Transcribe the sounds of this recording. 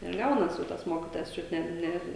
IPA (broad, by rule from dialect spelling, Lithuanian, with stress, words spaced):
ɪr ˈɡɐʊnɐs oː ˈtɐs ˈmoːkʲiːtoːjɛs ˈt͡ʃʲʊt ˈnʲɛ ˈnʲɛ